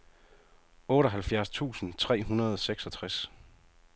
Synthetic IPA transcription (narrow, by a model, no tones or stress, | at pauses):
ɔːɾɒɦælfjæɐst͡sʰṵːsn̩t͡sʰʁɛ̰ːɦunɐð̞ˠɒ̽seɡ̥sɒ̽t͡sʰʁas